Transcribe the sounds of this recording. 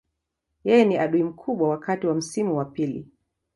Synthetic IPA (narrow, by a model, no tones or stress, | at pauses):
jɛjɛniaɗuim̩kʰuɓwawakatiwam̩simuwapilḭ